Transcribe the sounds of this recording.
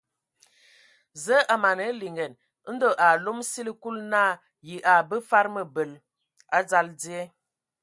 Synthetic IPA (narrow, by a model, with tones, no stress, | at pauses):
zə˦ʔa˨ma˨nə˨˦li˨ŋɡɛ˨n˦ | n̩˦do˨ʔa˨lo˦msi˦li˦ku˦lna˦˨ | ji˨ʔa˨bə˦fa˦ɾmə˨bə˨l | a˦d͡za˦ld͡zi˦e˦